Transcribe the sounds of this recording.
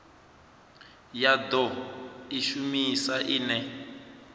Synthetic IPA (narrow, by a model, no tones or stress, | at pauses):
jad̪ɔiʃumisaʔinɛ